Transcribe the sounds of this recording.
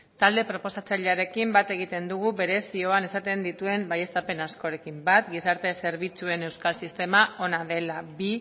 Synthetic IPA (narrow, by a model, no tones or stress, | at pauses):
t̪ald̪e̞pɾo̞po̞sat͡saʎaɾe̞kimbat̪e̞ɣ̞it̪e̞nd̪uɣuβe̞ɾe̞sio̞ane̞sat̪e̞nd̪it̪ue̞mbaje̞st̪ape̞nasko̞ɾe̞kimbat̪ɡisaɾt̪e̞se̞ɾβ̞it͡sue̞ne̞wskalsist̪e̞mao̞naðe̞labi